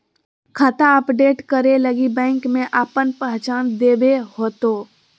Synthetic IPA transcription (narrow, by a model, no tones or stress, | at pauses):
kʰət̪aəpɖeːʈkəɾeləɡibɛ̃ːŋkmẽʔaːpənpəɦt͡ʃaːnd̪eːbehoːt̪oː